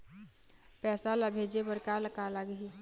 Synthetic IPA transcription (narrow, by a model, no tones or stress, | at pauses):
pɛːsalabʱeːd͡ʒebəɾkaləkalaɡi